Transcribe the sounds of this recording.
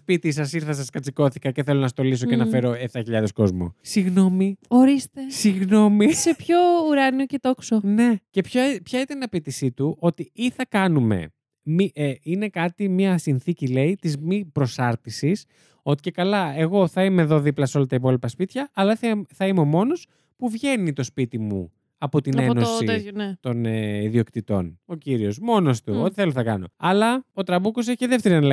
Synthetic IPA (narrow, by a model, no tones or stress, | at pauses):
spit̪isɐsiɾθɐs̬ɐskɐt͡sikoθikɐce̞θe̞lo̞nɐst̪o̞lis̬o̞cenɐfe̞ɾo̞eft̪ɐçiʎɐðe̞sko̞zmṵsiɣno̞mioɾist̪esiɣno̞misepçouɾɐniocet̪o̞ksone̞ce̞pçɐpçɐit̪ɐnɐpit̪isit̪uʔo̞t̪iiθɐkɐnume̞̰ | miʔine̞kɐt̪imɲɐsinθicile̞it̪izmipɾo̞sɐɾt̪isis | o̞t̪i̥ce̞kɐlɐe̞ɣo̞θɐime̞ːðo̞ðiplɐso̞lɐt̪ɐipo̞lipɐspit̪çɐʔːlɐθθɐimeo̞mo̞no̞s | puvʝe̞nit̪o̞spit̪imṵ | ɐpo̞t̪ine̞no̞sit̪o̞neiðio̞kt̪it̪o̞̰no̞ciɾio̞smo̞noɐst̪uot̪iθe̞loθɐkɐ̰no̞̰ɐlɐo̞t̪ɾɐbukos̬eççeðe̞ft̪eɾinl